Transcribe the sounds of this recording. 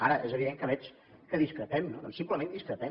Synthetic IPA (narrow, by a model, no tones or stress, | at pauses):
aɾəʔezəβiðeŋkəβɛt͡ʃ | kəðiskɾəpɛmnoðɔ̰nsimpləmend̪iskɾəpɛm